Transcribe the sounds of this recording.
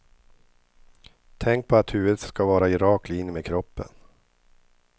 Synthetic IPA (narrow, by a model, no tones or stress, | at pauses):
t̪ʰɛŋk̚pʰɔat̪hʉ̟ːvəd̪skavɑːɾaɪɾɑːkliːnmeːkʰɾɔpːə̰n